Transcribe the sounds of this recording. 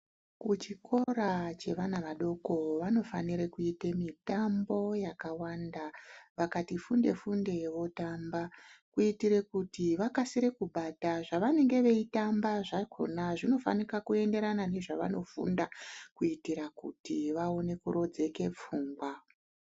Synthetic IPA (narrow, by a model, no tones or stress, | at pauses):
kut͡ʃikʰo̞ɾat͡ʃe̞ʋanaʋaɗo̞ko̞ʋano̞faniɾekuitemitambo̞jakawandaʋakatifunde̞̰funde̞ʋo̞tambakuitiɾe̞kutiʋakasiɾe̞kuɓataʐaʋane̞ŋɡe̞ʋe̞itambaʐakʰo̞̰naʐino̞fa̰nikakue̞nde̞ɾanane̞ʐaʋa̰no̞fṵndakuitiɾakṵtiʋao̞ne̞kuɾo̞d͡ze̞ke̞p͡fuːŋɡwa